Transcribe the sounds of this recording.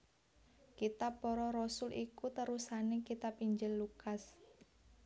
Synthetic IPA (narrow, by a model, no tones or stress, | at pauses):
kit̪apːɔɾɔɾɔsʊlʔikut̪əɾusanekit̪apiɲd͡ʒɪlːukas